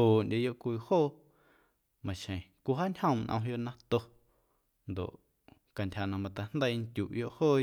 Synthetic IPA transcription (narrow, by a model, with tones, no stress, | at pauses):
oː˨ʔndʲe˧˨jo˦ʔkʷiː˧˨hoː˦˨ | mã˨ʃẽ˨kʷu˧ɦa˦nʲhə̃˧˨nʔə̰̃˧ɦjo˦˧ʔnã˦t̪o˧ | nd̪o̰˨ʔ | ka˨ntʲha˨nã˧mã˧t̪a˧nd̪ə˦i˧ŋkʲjṵ˨ʔjo˦ʔhoː˦˨